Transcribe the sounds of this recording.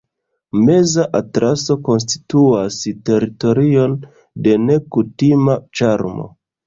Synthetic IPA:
me̞zaʔatɾaso̞ko̞ns̬ti̥tuaste̞ɾito̞ɾio̞n | de̞ne̞kutimat͡ʃaɾmo̞̰

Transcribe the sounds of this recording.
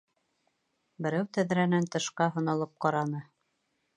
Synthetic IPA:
bɘ̆ɾæwt̪æðɾænænt̪ɤ̆ʃqɑɦɤ̆nɤ̆lˠɤp̚qɑɾɑnɤ

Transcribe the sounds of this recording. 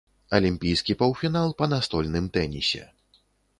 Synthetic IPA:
ɐlʲimʲpʲijskʲipɐwfʲinalˠpɐnast̪ɔlʲnɨmt̪ɛnʲisʲɛ̰

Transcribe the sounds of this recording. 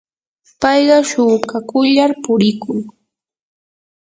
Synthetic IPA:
pɑjɢɑʃʊkakʊʎaɾpʊɾɪkʊŋ

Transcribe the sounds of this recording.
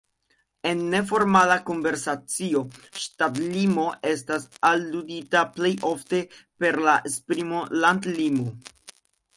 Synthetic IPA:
e̞nːe̞f̬o̞ɾmalako̞nve̞ɾsat͡sio̞ʃtatlimo̞ʔe̞stasalːuditaple̞jʔo̞fte̞pe̞ɾlaʔespɾimo̞landlimo

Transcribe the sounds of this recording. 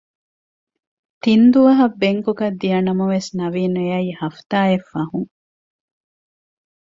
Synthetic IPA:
t̪ind̪uʋɐɦɐbːeŋkuɡɐd̪ːijɐnɐmɐʋesnɐʋiːnujɐihɐft̪aːefːɐɦuŋ

